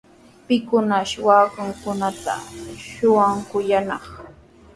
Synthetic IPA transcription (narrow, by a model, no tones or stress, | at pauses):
pɪkʊnaʃwaːkʊŋkʊnat̪a̰ʃʊwaŋkʊjanɑχ